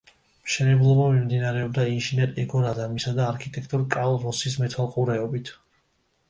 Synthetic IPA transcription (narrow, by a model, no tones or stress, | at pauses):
mʃɛnɛblˠɔbamimd̪inaɾɛɔbd̪ainʒinɛɾɛɡɔɾad̪amisad̪aːɾkʰit̪ʼɛkʰt̪ʼuɾkʼalˠɾɔsismɛt̪ʰalˠqʼuɾɛɔbit̪ʰ